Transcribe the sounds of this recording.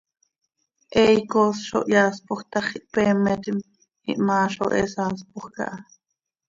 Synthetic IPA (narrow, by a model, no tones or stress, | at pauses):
ʔɛjkosʃo̰ʔjaːspoχt̪ɑχiʔpɛːmɛt̪im | hḭʔmɑːʃo̰ʔɛsaːs̬poχkɑ̰ʔɑ